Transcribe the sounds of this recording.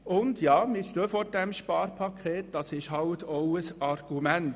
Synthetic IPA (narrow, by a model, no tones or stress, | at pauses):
ʊndjɑːmɪʃtøːfoːɾd̥ɛmʃpɑːɾpʰɑkʰχeːt̚d̥ɑsɪʃhɑltʰoʊəsɑrɡ̥umænt